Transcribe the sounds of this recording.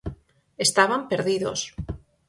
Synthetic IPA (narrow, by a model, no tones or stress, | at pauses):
est̪aβampeɾðiðo̰s